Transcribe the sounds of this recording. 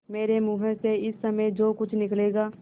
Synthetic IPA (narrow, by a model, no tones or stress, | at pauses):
meːɾemuːɦə̃seɪsːɐməd͡ʒoːkʊt͡ʃʰnɪkleːɡaː